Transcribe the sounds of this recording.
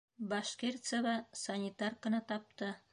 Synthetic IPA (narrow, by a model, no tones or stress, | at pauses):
bɑʃkʲert̪səβɑsɐnʲit̪arkɤ̆nɑt̪ɒp̚t̪ɤ